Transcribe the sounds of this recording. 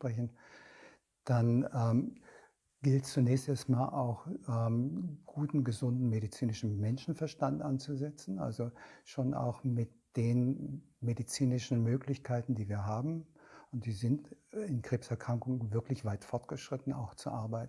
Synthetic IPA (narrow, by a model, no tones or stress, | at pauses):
ʃpʁ̥ɛç̬n̩ | d̥anɛːm | ɡ̥ɪltst͡sunɛːçstʔɛːɐstmaːlʔaʊxɛːmɡ̥uːtn̩ɡəzʊndn̩meɾit͡siːnɪʃn̩mɛnʃn̩fɛɐʃtantʔant͡suzɛt͡sn̩ʔa̰lzoʃoːnʔa̰ʊxmɪt̚d̥eːn | medit͡siːnɪʃn̩møːklɪçkʰaɪtn̩diːviːɐɦaːbm̩ʊnt̚d̥iːzɪntɪnkʁ̥eːpsɛɐkʁ̥aŋkʊŋəvɪɐklɪçv̥aɪtfɔɐtɡ̥əʃʁ̥ɪtn̩a̰ʊxt͡sṵʔaɐbaɪtn̩